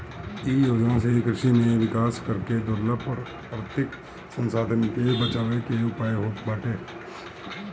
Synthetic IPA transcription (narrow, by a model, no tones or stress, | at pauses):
ijoːd͡ʒnasekɾɪʃimẽʋɪkaːskəɾked̪ʊɾləbɔɾ | ɾət̪ɪk | sə̃nsaːd̪ʱənkebət͡ʃaːʋekeʊpaːeɦoːpbaːʈeː